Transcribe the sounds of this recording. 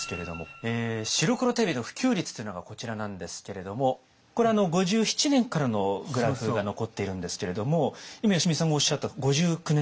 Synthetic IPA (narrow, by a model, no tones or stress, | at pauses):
ske̞ɾe̞d̪o̞̰moeːɕiɾo̞kɯ̟ɾo̞t̪ebʲinoɸɯ̟̥kʲɨːɾʲit͡sɨ̥t̪oinoɡako̞t͡ɕiɾanãnd̪e̞sɨ̥ke̞ɾe̞d̪o̞mo̞ | ko̞ɾe̞ano̞ɡo̞ʑɨːçi̥t͡ɕinẽ̞ŋkaɾano̞ɡɯ̟ɾaɸɯɡano̞ko̞t̪ːe̞iɾɯ̟̃nd̪e̞sɨ̥ke̞ɾe̞d̪o̞mo̞imajoɕimʲisãŋɡaoɕːat̪ːaɡo̞ʑɨːkɯ̟ne